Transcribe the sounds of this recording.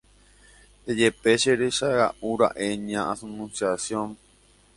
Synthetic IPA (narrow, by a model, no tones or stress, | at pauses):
d̪ed͡ʒepeʃeɾeʃaɾa̰ʔuɾa̰ʔeɲãʔasunũnsjasjõn